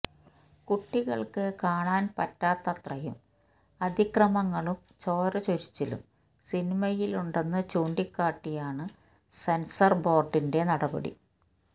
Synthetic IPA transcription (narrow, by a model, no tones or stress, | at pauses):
kuʈːiɣɐ̰ɭkɨkaːɳaːnpɐ̰tːaːt̪ːɐt̪rɐjṵm | ɐd̪ʱikrɐmɐŋːɐɭum | t͡ɕo̞ːɾɐt͡ɕoɾit͡ɕːɐlṵm | sinimɐjiluɳɖe̞nːɐt͡ɕuːɳdikːaːʈːijaːɳɨ | sensɐrbo̞ːrɖinde̞nɐɽɐbɐ̰ɽḭ